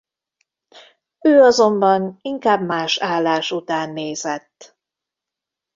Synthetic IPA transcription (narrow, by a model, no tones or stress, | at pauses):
øːɒzo̞mbɒniŋkaːbmaːʃaːlːaːʃut̪aːnːeːzɛt̪ː